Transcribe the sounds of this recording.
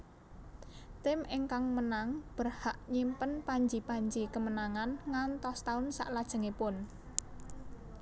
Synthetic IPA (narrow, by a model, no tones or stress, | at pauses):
t̪ɪmʔɪŋkaŋmənaŋb̥ərhaʔɲimpənpaɲd͡ʒipaɲd͡ʒikəmənaŋanŋant̪ɔst̪aʊnsa̰ʔlad̥ʒ̥ə̤ŋepʊn